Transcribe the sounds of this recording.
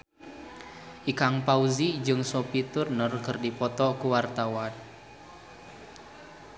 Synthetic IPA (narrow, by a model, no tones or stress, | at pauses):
ʔikaŋpauzid͡ʒɨŋsopit̪ʊrnɔrkərdipɔt̪ɔkuwart̪awan